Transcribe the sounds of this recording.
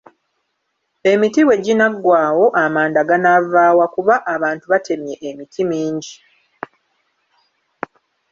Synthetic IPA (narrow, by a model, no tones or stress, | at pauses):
e̞mitiwe̞ɟinaɡwaːwo̞ʔamaːndaɡanavaːwakuβaʔːβaːntuβatʰe̞mje̞ʔemitʰimiːɲɟi